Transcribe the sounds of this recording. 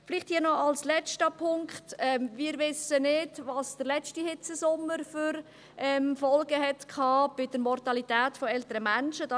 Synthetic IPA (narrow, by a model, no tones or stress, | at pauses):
fɪlɪχthiːnɔɑlslɛt͡ʃtəpʰʊŋkχtɛmvɪːɾvɪsənɪdvɑːsd̥əɾlɛt͡ʃtihɪt͡səsʊmːəɾfʏɾ | ʔɛmfɔlɡəɦɛtkʰɑːb̥ɪd̥əɾmɔrtɑlitɛːtfɔɛltəɾəmænʃədɑ